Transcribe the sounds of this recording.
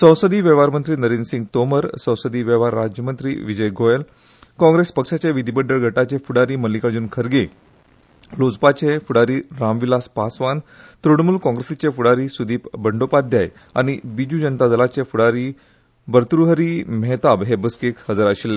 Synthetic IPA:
sə̃w̃səd̪iːʋeʋaɾmənt̪ɾiːnəɾinsiŋɡt̪oməɾsə̃w̃səd̪iːʋeʋaɾːad͡ʑjəmənt̪ɾḭːʋid͡ʑəjɡʱojel | kɔ̃ŋɡɾespəkʂat͡ɕeʋid̪ʱibəɖəɭɡʱəʈat͡ɕefuɽaɾiːməlikaɽd͡ʑuːnkʰəɾɡe | lod͡zpat͡ɕefuɽaɾiːɾamʋilaspasʋan | t̪ɾuɳmuːlkɔ̃ŋɡɾesit͡ɕefuɽaɾiːsud̪iːpbəɳɖopad̪ʱjaj | a̰ɽ̃ibid͡ʑud͡ʑənt̪ad͡zəlat͡ɕefuɽaɾiː | bəɾt̪ɾuɦəɾimɛt̪abɦebəskekhəd͡zaɾaɕilːe

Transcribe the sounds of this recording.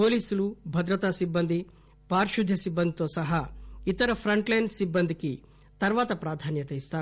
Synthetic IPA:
poːliːsɐlubʱɐd̪ɾɐt̪asibːɐnd̪ʱi | paːɾʃud̪ʱːɐsibːɐnd̪it̪oːsɐɦɐit̪ɐɾɐpʰɾɐɳʈlɐjnsibːɐnd̪ʱiki | t̪ɐɾʋaːt̪ɐpɾaːd̪ʱaːnjɐt̪eist̪aː

